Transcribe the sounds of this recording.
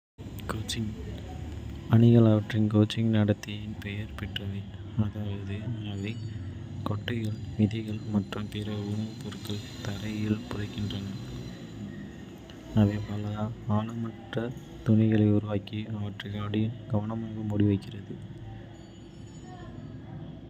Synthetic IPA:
koːt͡ʃːɪŋ | ɐɳɪɣɐɭɐʋɐʈrɪnkoːt͡ʃɪŋnɐɽɐt̪ːɐjɪnpɛjɐɾpɛʈrɐʋe | ɐðaːʋɐðɯɐʋe | kɔʈːɐɪɣɐɭʋɪðɐɣɐɭmɐʈrɯmpeɾɐʊnɐpʊɾɯkːɐɭt̪ɐɾɐjɪlpʊrɐɪkːɪndraːnɐɭ | ɐʋɐɪpɐlɐaːlɯmɐʈrɐ | t̪ʊɳɪɣɐɭɐɪʊɾʊʋaːkiɐʋɐʈrɪkaːɽɪjɐɡ̥ɐʋɐnɐmaːɣɯmʊɽɪʋɐɪkːɪrɐðɯ

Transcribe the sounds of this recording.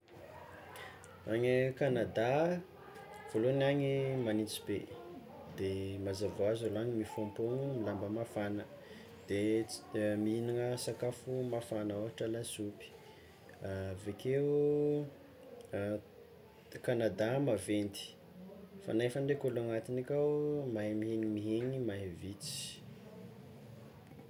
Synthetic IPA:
aɲəkanad̪a | v̥oloniaŋimanit͡si̥be | d̪emazavoazaloaɲimifompoŋumilambəmafanə | d̪̥e | miinaŋəsakafumafanaoaʈ͡ʂəlasupi̥ | avekʰeu | kanad̪amavend̪i̥ | fa̰nafaɳɖ͡ʐekolaŋat̪inakʲamaɦmiɦeɲimiɦeɲimaɦevit͡si̥

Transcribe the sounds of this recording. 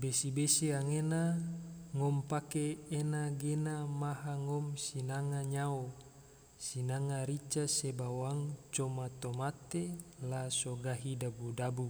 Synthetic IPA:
besibesiaŋena | ŋɔmpakeːnaɡenamaɦaŋɔmsinaŋaɲao | sinaŋaɾit͡ʃasebawaŋt͡ʃomat̪omat̪elasoɡaɦidabudabu

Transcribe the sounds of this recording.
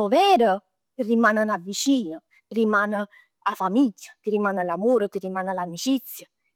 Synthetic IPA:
ɔvɛːɾə | t̪irimaːnənavːit͡ʃiːnə | rimaːnə | afamiɟːət̪irimanalamoːɾət̪irimanalamit͡ʃit̪sjə

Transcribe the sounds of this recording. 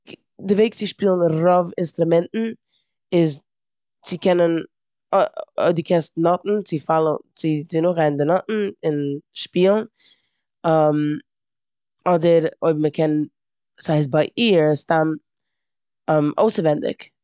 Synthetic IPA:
dɪveɪk̚t͡sɪʃpiːlˠn̩ɾɔvɪnstɾʊmɛntn̩ | ɪz | t͡sɪkʰɛnən | ɔdɪkʰɛstnɔtn̩t͡sɪfalˠənt͡sɪt͡sɪnʊχaɪn̩dɪnɔtn̩ɪnʃpiːlˠn̩ | am | ɔdəɾoɪbməkʰɛn | saɪs̬baɪʔiːɾstamtː | mʔo̰ʊsəɾvɛndɪ̰k

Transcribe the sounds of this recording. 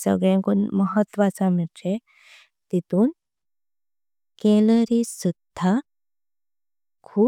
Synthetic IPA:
sə̰ɡɭẽŋkunməɦət̪ʋat͡samile | t̪it̪uːn | keləɾisud̪̥ʱa | kʰuː

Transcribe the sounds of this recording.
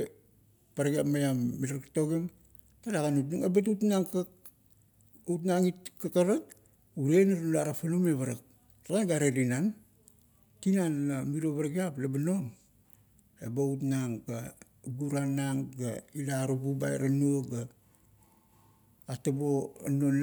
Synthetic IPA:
paɾaɡiapmajamːilaɾktoɡeŋ | talaɡanut̬nuŋebat̬utnaŋka | ut̬naŋitkakaɾak̚ | uɾenaɾulaɾapalumeβaɾak̚ | laɡanɡaɾeɾinan | tinanlamiɾoβaɾaɡiaplabanoŋ | ebautnaŋɡa | ɡuɾanaŋɡa̰ilaɾububa̰eɾanuoɡa | ataboa̰non

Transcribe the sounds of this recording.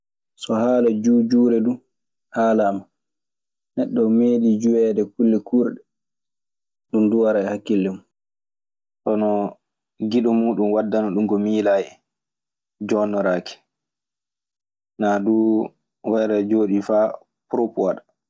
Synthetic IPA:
sɔhaːlad͡ʒuːd͡ʒuːɾɛdu | haːlama | nɛɗːɔmeːɗid͡ʒuwɛːdɛkulːɛkʰuːɾɗɛ | ɗumduwaɾahakːilːɛmu | ɗɔnɔ | ɡiɗɔmuːɗumwadːanɔɗumɡɔmiːlajɛ | d͡ʒɔnːɔɾaːkɛ̥ | nadu | wɛɾad͡ʒoːɗifa | pɾɔpɔwaɗa

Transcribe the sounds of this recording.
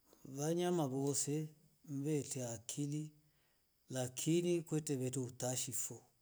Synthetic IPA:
βaɲamaβɔsɛ | m̩bɛtɛakʰili | lakʰinikwɛtɛβɛtɛutaʃifɔ

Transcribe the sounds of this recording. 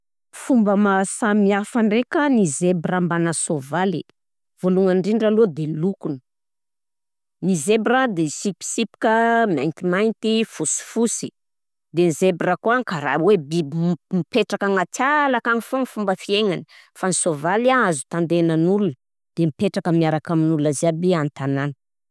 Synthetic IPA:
fumbəmasamiafaɳɖ͡ʐekənizebrambanasovali | voluŋaɳɖ͡ʐiɳɖ͡ʐalod̪elukunə̥ | nizebrad̪esipi̥sipi̥kəmiajnt̪imajnt̪ifusi̥fusi̥ | d̪enizebrakuaŋkaɾa̰webimipeʈ͡ʂakaŋat͡salakaŋifoŋfumbəfieŋani̥ | fanisovalaazu̥t̪and̪enənulun | d̪̥emipeʈ͡ʂakəmiaɾakaminuluaziabiant̪ananə̥

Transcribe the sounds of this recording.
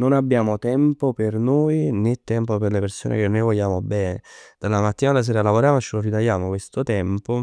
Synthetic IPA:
nonabːjaːmot̪ɛmpopernoːjnet̪ːɛmpoperleperso̰ːnʔḛkenːojvɔʎːaːmobɛːned̪̥alːamat̪ːiːnad̪elːas̬eːɾalavoɾjaːmot͡ʃelorit̪ajaːmokwest̪ot̪ɛmpo

